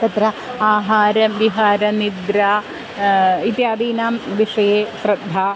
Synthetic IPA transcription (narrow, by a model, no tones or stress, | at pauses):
t̪ɐt̪ɾɐaːɦaːɾɐmʋiɦaːɾɐnid̪ɾaː | it̪jaːd̪iːnaːmʋiʂɐjeːʃɾɐd̪ʱaː